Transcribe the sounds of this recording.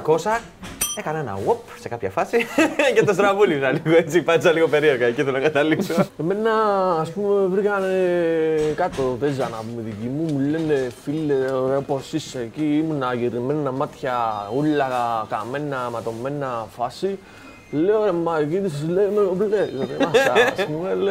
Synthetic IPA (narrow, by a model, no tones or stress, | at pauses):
ko̞sɐ | ekɐnenɐ̰wopse̞kɐpçɐfɐsicet̪os̬t̪ɾavulisɐliɣoet͡sipɐnsɐliɣo̞pe̞ɾieɾɣɐeciθelonɐɡɐt̪ɐlikksoeme̞nːɐːspumevɾikɐnekɐt̪oðezɐnɐpumiðicimumulenːefilːeɾoposisːeeciːmunɐʝeɾimenamɐt̪çɐulːɐkame̞nːɐmɐt̪o̞mːe̞nːɐfɐsi | leoemːɐkit̪isleneoleðemasaspumele